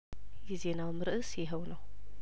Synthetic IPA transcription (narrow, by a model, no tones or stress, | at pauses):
jizenawmɨɾɨʔɨsjɦɐwnɐw